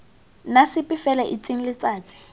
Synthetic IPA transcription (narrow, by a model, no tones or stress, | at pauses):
nasɪpɪfɛlɛʔit͡sʼiŋ̩lɪt͡sʼaːt͡sʼɪ̥